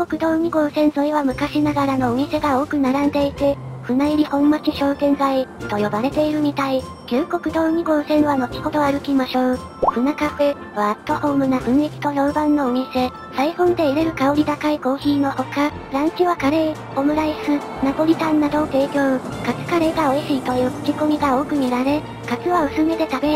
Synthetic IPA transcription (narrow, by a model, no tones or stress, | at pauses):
kokɯ̟d̪o̞ːɲ̟iɡo̞ːsẽ̞ɰ̃so̞iβamɯ̟kaɕinaɡaɾano̞omʲise̞ɡao̞ːkɯ̟naɾãnd̪e̞it̪e̞ | ɸɯ̟naiɾʲihõ̞mːat͡ɕiɕo̞ːt̪ẽ̞ŋɡait̪o̞jo̞baɾe̞t̪e̞iɾɯ̟m̟it̪ai | kʲɨːko̞kɯ̟d̪o̞ːɲ̟iɡo̞ːsẽ̞ɰβano̞t͡ɕʲi̥ho̞d̪o̞aɾɯ̟kʲimaɕo̞ː | ɸɯ̟nakaɸe̞ | βaːt̪ːo̞ho̞ːmɯ̟nabɯ̟̃ɰ̃ikʲi̥t̪o̞jo̞bãnːo̞ːmʲise̞ | saihõ̞nd̪e̞iɾe̞ɾɯ̟kaoɾʲid̪akaiko̞ːçiːno̞ho̞kaɾãɲkiβakaɾe̞i | ho̞mɯ̟ɾaisɨ | napo̞ɾʲit̪ãnːad̪o̞ːt̪e̞ːkʲo̞ːkat͡sɨ̥kaɾe̞ːɡao̞iɕiit̪o̞jɯːko̥kʲiko̞mʲiɡao̞ːkɯ̟mʲiɾaɾe̞ | kat͡sɨβaɯ̟sɨme̞t̪e̞t̪abe̞